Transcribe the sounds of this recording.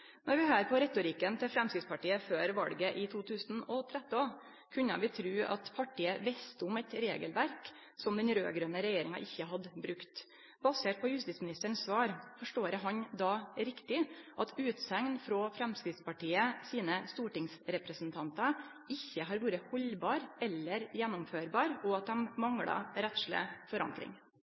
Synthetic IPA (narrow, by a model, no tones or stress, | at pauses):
nɔɾʋɪhøːɾpʰɔɾɛt̪ʊɾikənt̪ʰɪfɾɛmskɾɪt̪spɑʈiːəføːɾʋɑ̰lɡəʔɪt̪ʰuːt̪ʰʉːsnɔt̪ʰɾɛt̪ːɔn | kʰʉɲːə̰ʋɪt̪ʰɾʉːʔɑ̰t̪pʰɑʈʰiːəʋɛst̪ʊmɛt̪ɾeːɡəlʋæɾk | sɔmd̪ɛnɾø̰ːɡɾœnəɾɛjeːɾɪŋɑ̰ʔɪçːəɦɑd̪əbɾʉkt̪ | bɑseːʈ̚pʰɔjʉst̪ɪt̪smɪnɪst̪əɳsʋɑːɾfɔʂʈoːɾəɦɑɲd̪ɑːɾɪkt̪ɪʔɑt̪ʉːt̪sɛŋnfɾɔːfɾɛmskɾɪft̪spɑʈiːəsiːnəst̪uːʈɪŋsɾɛpɾəsnt̪ʰɑnt̪ɑ | ɪçːəɦɑːɾʋuːɾəhɔlbɑːɾɛlːəɾjɛnːʊmføːɾbɑːɾɔɑt̪̚d̪ɛmmɑŋɽɑ̰ɾɛt̪ʂlə̰fɔɾɑ̰ŋkɾɪ̰ŋ